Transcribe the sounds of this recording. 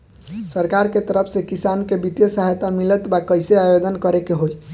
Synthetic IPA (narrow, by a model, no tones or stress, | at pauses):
səɾkaɾket̪əɾəpʰsẽkisankebit̪jəsəɦajt̪amilət̪bakəjseajod͡ʒ̪ənkəɾekeɦoj